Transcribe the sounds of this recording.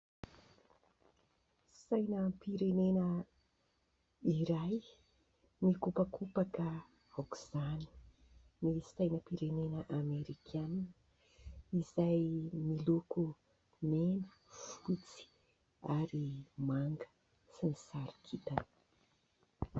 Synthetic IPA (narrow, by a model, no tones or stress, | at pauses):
sajnəpiɾenenə | iɾaj | nikupakʰupakə | awku̥z̥ani̥ | nistajnəpiɾenenəʔameɾikʰann | iz̥ajmiluku | nenə̥ | fut͡si̥ | aɾimaŋɡə̥ | sinisaɾikʰit̪anə̥